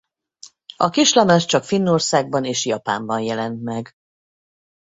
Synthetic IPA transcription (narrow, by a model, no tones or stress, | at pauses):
ɒkiʃlɒmaʃt͡ʃɒkfinːorsaːɡ̚bɒneːʃjɒpa̰ːmbɒnjɛlɛnt̪mɛɡ